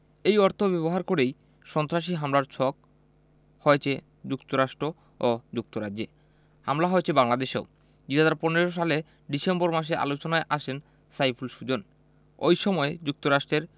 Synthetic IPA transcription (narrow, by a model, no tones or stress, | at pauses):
ejɔɾt̪ʰobɛβoɦaɾkoɾej | ʃɔnt̪ɾaʃ̬iɦamlaɾt͡ɕʰɔk | hɔet͡ɕʰe | d͡ʑukt̪oɾaʃʈɾo | od͡ʑuk̚t̪oɾadd͡ʑe | hamlaɦɔet͡ɕʰebaŋlad̪eʃḛo | d̪uɦad͡ʑaɾponeɾoʃ̬ale | ɖisemboɾmaʃ̬eʔa̰lot͡ɕonaeʔat͡ɕʰen | sajfʰulʃud͡ʑon | o̰jʃɔmɔed͡ʑuk̚t̪oɾaʃʈɾeɾ